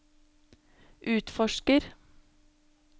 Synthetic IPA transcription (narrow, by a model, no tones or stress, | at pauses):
ʔʉːt̪fɔʃkəɾ